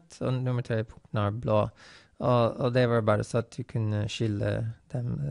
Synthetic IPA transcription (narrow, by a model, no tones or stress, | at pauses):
t̪ʰɔ̰nʊməʈ̪ʰɾeːpʰʊŋt̪nɑːɾblo̰ː | ɔɔd̪ɛʋɑːɾbɑːɾə̰sɔɑt̪̚d̪ʉːkʰʉnəʃʏlə̰d̪̥ɛm